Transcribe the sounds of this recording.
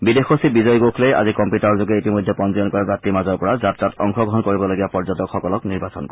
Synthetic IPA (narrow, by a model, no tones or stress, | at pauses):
bidexosibizɔjɡokʰleja̰zikɔmpjutaɹɔzoɡɛitimojdʱɛpɔnzɔɔnkɔɹbatːimazɔɹpɔɹazatɹatɔŋxɔɡɔɦɔnkoɹibɔloɡijapɔɹzɔtɔkxɔkɔlɔkniɹbasɔ̰nkɔ